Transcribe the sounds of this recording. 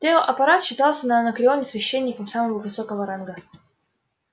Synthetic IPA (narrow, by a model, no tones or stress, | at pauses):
t̪ʲeoʔɐpɐɾat̪ɕːɪt̪ɑlˠsʲənəːnəkɾʲɪo̞nʲɪsvʲɪɕːenʲːɪkəmsaməvəvɨsokəvəɾanɡə